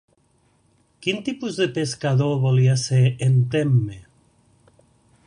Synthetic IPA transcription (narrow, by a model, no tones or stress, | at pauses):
kint̪ipuzðepeskaðoβɔliaseɾent̪emːe